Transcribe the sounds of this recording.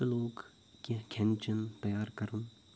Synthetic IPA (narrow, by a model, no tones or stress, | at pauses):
eloːɡ | kekʰɛnt͡ʃənt̪ɐjaːɾkɐɾun